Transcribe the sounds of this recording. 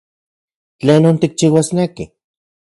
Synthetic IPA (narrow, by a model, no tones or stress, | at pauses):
t͡ɬeːnoːnt̪ik̚t͡ʃiwasneki